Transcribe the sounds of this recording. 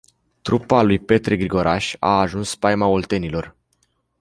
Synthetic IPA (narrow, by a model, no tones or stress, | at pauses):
t̪ɾupalujpe̞t̪ɾeɡɾiɡo̞ɾaʃa̰ːʒunspajmaolt̪e̞nilo̞r